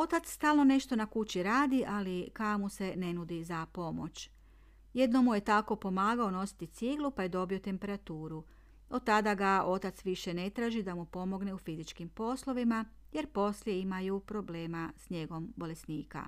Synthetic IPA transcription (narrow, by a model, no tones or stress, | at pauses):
o̞t̪at̪sst̪aːlˠno̞ne̞ʃt̪o̞nakut͡ɕiɾaːd̪iʔalikaomuse̞ne̞nud̪izapo̞mo̞̰t͡ɕ | jed̪no̞muje̞t̪ako̞po̞maːɡao̞no̞si̥t̪it̪siɡlupaje̞d̪o̞bio̞t̪e̞mpe̞ɾat̪uːɾu | o̞d̪̚t̪ːad̪aɡao̞t̪at̪sʋiʃe̞ne̞t̪ɾaːʒid̪amupo̞mo̞ɡne̞ufizit͡ʃkimpo̞slˠo̞ʋimaje̞ɾpo̞slje̞imajupɾo̞bleːmasɲe̞ɡo̞mbo̞le̞sniːka̰